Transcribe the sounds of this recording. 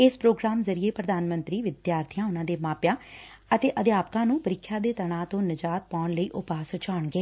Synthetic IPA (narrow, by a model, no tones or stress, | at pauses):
ɪspɾoːɡɾaːmzəɾɪeːpɾəd̪aːnmə̃nt̪ɾiːʋɪd̪jaːɾt̪ʰɪjãːʊnãːd̪eːmaːpjãː | ət̪eːʔəd̪jaːpkãːnũːpəɾɪkʰːjaːd̪eːt̪əɽãːt̪õːnəd͡ʒaːt̪̚paːɳləiːʔʊpaːsʊt͡ʃʰaːɳɡeː